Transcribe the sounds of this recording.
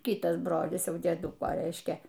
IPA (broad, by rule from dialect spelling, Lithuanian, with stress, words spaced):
ˈkʲɪtɐs ˈbroːlʲɪs ˈjɛʊ dʲiɛˈdʊkoː ˈrʲɛɪʃʲkʲɛ